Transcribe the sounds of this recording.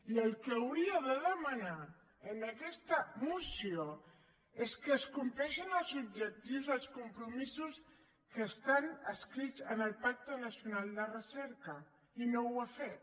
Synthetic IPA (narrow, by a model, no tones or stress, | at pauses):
iəlˠkəːwɾiəðəðəməna | ənəkɛst̪əmusio | eskəːskumplɛʃənəlˠzub̚ʒək̚t̪iwzəlˠskumpɾumisus | kəːst̪anəskɾidd͡zənəlˠpak̚t̪ənəsiunalˠd̪ərəsɛɾkə | inowafet̪̚